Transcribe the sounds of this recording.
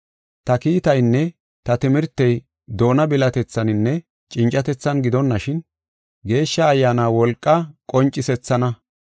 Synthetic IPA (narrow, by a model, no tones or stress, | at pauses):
t̪ɐkiːt̪ɐjnːɛ | t̪ɐt̪ɪmɪɾt̪ːɛj | d̪o̞ːnɐbɪlɐt̪ɛt͡sːɐnɪnːɛ | t͡ʃʼɪnt͡ʃʼːɐt̪ɛt͡sːɐnɡɪd̪ɔnːɐʃɪn | ɡe̞ːʃːɐːjːaːnaːwɔlkʼːɐkʼɔnt͡ʃʼːɪsɛt͡sːɐnɐ